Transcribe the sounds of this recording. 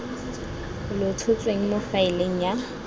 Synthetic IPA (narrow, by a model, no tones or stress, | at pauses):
lʊtʰʊt͡sʼweŋ̩mofaɪleŋ̩ja